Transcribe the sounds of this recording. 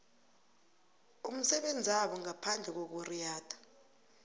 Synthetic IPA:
um̩sɛɓend͡zʱiaɓɔŋapʰand͡ɮʱɛk̬ok̬urijaːtʰʼḁ

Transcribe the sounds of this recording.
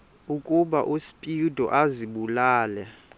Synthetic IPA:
ukʼuɓaʔusi̥pʼidʱɔ̰ʔaziɓulaːlɛ

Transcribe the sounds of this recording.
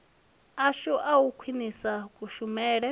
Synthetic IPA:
aʃɔʔawukʰwinisakʼuʃumɛːɺɛ

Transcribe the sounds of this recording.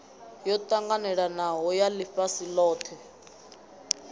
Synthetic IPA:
jɔtʼaŋɡanɛɺanaɦɔjalifasilɔːtʰɛ

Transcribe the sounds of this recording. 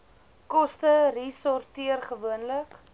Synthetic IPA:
kɔstərisɔrtiərχəvuənlək

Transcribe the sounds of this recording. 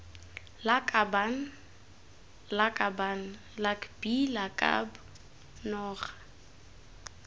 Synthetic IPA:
lakʼaban̩ | lakʼaban̩ | lakʼbilakʼa̰bʊ | nɔːχḁ

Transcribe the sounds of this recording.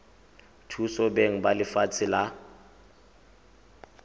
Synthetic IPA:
tʰusɔbeŋ̩balɪfat͡sʰɪla

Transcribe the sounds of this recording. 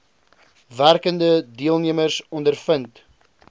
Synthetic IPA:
værkəndədiəlˠniəmərsɔndərfənt

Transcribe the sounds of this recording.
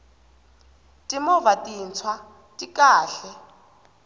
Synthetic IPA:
tʼimɔvatʼint͡sʰwa | tʼikʼaːɬɛ

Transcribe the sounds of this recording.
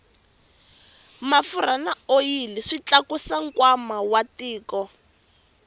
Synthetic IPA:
mafuɾanaojiliʂit͡ɬakusaŋ̩kwamawatiːkɔ

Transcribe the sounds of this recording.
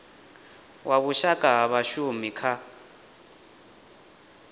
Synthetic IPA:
wʔaβuʃakʼaɦaβaʃumikʰa

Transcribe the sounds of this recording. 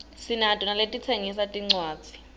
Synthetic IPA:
sinatʼɔnaletʼit͡sʰeŋisatʼiŋ͡ǀwaːd̥d͡z̥ʱi̥

